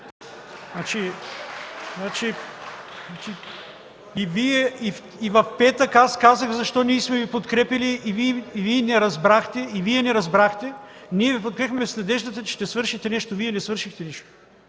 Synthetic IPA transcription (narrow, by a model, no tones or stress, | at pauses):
nat͡ʃi | znat͡ʃi | nat͡ʃi | iviɛif | ivɐfpɛt̪əkaskazəɣzɐʃt̪ɔniɛsmɛvipot̪kɾɛpʲɐliʔːviiviɛnɛɾɐzbɾaxt̪ɛiviɛnɛɾɐzbɾaxt̪ɛ | niɛvipot̪kɾɛxmɛsnɐd̪ɛʒd̪ɐt̪ət͡ʃɛ̥ʃt̪ɛsvɤɾʃixt̪ɛnɛʃt̪oviɛnɛsvɤɾʃixt̪ɛniʃt̪o̥